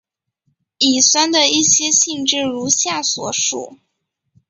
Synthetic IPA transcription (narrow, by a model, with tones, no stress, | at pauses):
i˨˩swa˥nd̪ə˨i˥˩ɕjɛ˥ɕi˥˧ŋʈ͡ʂɻ̩˥˩ɻu˧˥ɕja˥˩swɔ˨˩ʂṵ˥˩